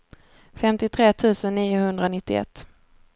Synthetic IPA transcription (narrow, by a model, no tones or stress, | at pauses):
fɛmt̪ɪt̪ʰɾeːt̪ʰʉ̟ːsənːiːʊhɵnd̪ɾanɪt̪ːɪɛ̰t̪ː